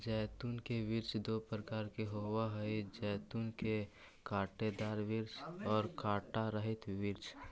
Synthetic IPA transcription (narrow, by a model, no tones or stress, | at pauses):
d͡ʒɛːt̪unkeʋiɾt͡ʃd̪opɾəkaːɾkeɦowaɦəid͡ʒɛːt̪unke | kaːʈed̪aːɾʋiɾt͡ʃɔːɾkaʈaɾəɦit̪ʋiɾt͡ʃ